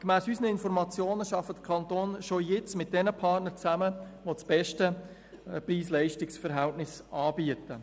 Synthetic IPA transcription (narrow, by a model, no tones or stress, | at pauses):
kmæːsysnəɪnfɔɾmɑt͡sjoːnəʃɑfəd̥̪əkʰɑnt̪oːnʃojɪt͡smɪt̚d̥ɛnəpʰɑrtnəɾt͡sæməʋot͡sb̥ɛʃtə | priːslɛɪʃtɪksfɛɾɦɛltnɪsɑːbiətə